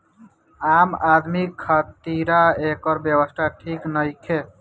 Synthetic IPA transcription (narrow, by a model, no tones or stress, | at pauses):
amad̪mikʰːət̪iɾaekɔɾbjebəst̪ʰaʈʰiknəjkʰe